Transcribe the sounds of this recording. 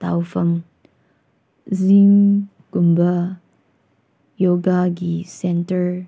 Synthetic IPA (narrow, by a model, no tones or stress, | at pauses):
t̪a̰wfəm | ziŋ | kumbə | joɡaɡisɛntəɹ